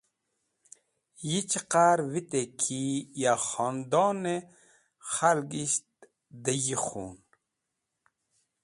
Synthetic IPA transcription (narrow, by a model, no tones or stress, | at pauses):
jit͡ɕqaːɾwit̪ekʰijaxɔnd̪ɔːne | xalɡiɕt̪̚ | d̪əjixṵːn